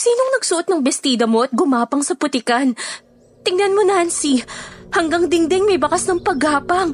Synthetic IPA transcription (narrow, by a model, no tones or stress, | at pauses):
siːnoŋnɐɡsʊʔot̪nɐŋbɛst̪iːd̪ɐmo̞ʔɐt̪̚ɡʊmaːpɐŋsɐpʊt̪ɪkɐn | t̪ɪŋnɐnmo̞nansihɐŋɡɐŋd̪ɪŋd̪ɛŋmɐjbɐkasnɐŋpɐɡaːpɐŋ